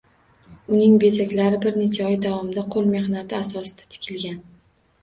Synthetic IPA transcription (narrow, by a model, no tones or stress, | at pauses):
ʊnɪŋbe̞zakʲlaɾɪbɪɾne̞t͡ʃʰaɒjd̪avɒmd̪aqʰolˠme̞hnat̪ʰɪasɒsɪ̥d̪̥ḁt̪ʰɪ̥kʲʰɪlɡʲan